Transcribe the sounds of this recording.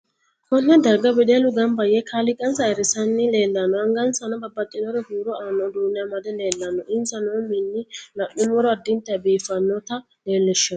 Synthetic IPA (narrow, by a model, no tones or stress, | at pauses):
kɔnːɛd̪ɐɡːɐbɪd̪elʊɡɐmbɐjɛkʰaːlɪkʼːɐnsɐɛɾɪsɐnːɪleːlːɐnːɔɐŋɡɐnsɐnɐbɐbːɐt̪ʼːɪnɔɾɛhuːɾɔaːnːɔd̪uːnɪjɐmɐd̪ɛle̞ːlːɐnːɔʔɪnsɐnɔmɪnːɪlɐʔʊmːɔɾɔɐd̪ɪnt̪ːɛɐbiːfɐnːɔt̪ɐ | leːlːɛʃːɔ